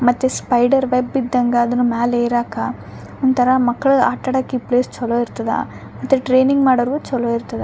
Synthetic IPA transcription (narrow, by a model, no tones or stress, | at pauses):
mɐt̪ːespɐjɖɐɾʋebid̪ːɐŋɡɐːd̪ɐnumaːleːɾaːkɐ | ɔnt̪ɐɾɐmɐkːɐɭuaːʈːɐɽakippleːst͡ʃɔloːiɾt̪ɐd̪ɐ̰ | mɐt̪ːeʈɾeːniŋɡmaːɽɐɾuʋut͡ʃɔloiɾt̪ɐd̪e